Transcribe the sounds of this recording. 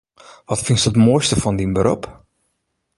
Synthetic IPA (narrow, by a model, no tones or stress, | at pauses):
ʋɑtfɪnstətmoːjstəfɑndinbəɾɔ̰p